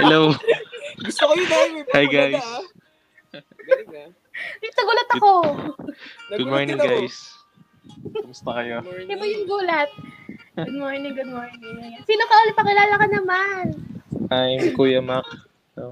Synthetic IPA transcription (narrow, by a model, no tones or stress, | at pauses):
hɛlow | ɡʊst̪okɐjʊahajɡajs | ɐsɐɡuːlɐt̪ɐko | ɡʊd̪̚moɹnɪ̃ŋɡajs | ɐmʊst̪ɐkɐjod̪ɐmojʊŋɡuːlɐt̪̚ɡʊd̪̚moɹnɪŋɡʊd̪̚moɹnɪŋsiːnokɐʔoːlɪp̪pːɐŋkɪlaːlɐkɐnɐmanʔajmkuːjɐmak̪̚ | o